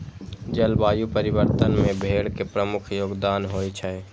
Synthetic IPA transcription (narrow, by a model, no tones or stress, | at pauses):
d͡ʒəlbaːjupəɾɪʋəɾt̪ənmẽbʱeːɽkepɾəmʊkʰjoːɡd̪aːnɦoːit͡ʃʰəe